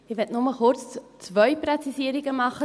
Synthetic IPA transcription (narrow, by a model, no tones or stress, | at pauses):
ɪvɛtnʊməχʊrt͡st͡svœjprɛt͡sisiəɾiɡəmɑχə